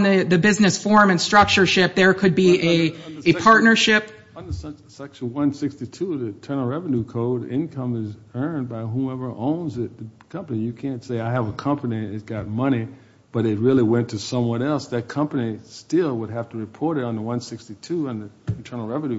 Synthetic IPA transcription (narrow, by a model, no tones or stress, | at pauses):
nðɨðɨbɪznɨsfɔɹmɨ̃nstɹ̥ʌk̚t͡ʃə˞ʃɪp̚ðə˞kʰɨd̚biɨɨpʰɑɹtⁿnə˞ʃɪp | nðəs | sɛkʃnwʌ̃nsɪkstitʰuðɨtʰɜ̃˞nl̩ˠɹɛvɨnʉkʰoʊɾɪ̰̃nkʰʌ̃mɪzɜ̃˞nbaɪɦuɛvə˞ʔõʊ̃nzɪt̪̚ðɨkʰʌ̃mpənijɨkʰæ̃ntseɪaɪəvəkʰʌ̃mpɨniɨt̚ɡ̥ɑt̚mʌni | b̥ʌɾɨt̚ɹɪlˠiwɛ̃ntʰɨsʌ̃mwʌ̃nɛlˠsðɨt̚kʰʌ̃mpɨnistɪlˠwəd̚ɦæftɨɹɨpʰɔɹɾɨɾn̩ðəwʌ̃nsɪkstitʰuə̃nðɨɨ̃n̩tʰɜ̃˞nl̩ˠɹɛvɨ̃nʉ